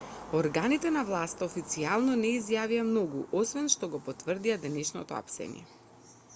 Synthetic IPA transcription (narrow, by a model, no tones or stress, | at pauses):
oɾɡanit̪ɛnavlˠast̪aofit̪sialˠnɔnɛizjaviamnɔɡuʔosvɛnʃt̪ɔɡɔpot̪vrd̪iad̪ɛnɛʃnɔ̰t̪ɔa̰psɛ̰nḭɛ̰